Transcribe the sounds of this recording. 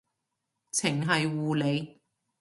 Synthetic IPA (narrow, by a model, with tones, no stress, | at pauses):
t͡sʰɪ˨˩ŋɦɐ˨jwuː˨le˨˧j